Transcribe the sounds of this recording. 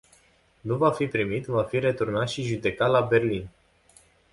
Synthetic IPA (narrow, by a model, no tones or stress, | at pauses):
nuvafipɾimit̪vafiɾe̞t̪urnat̪ʃiʒud̪e̞kat̪labe̞rlin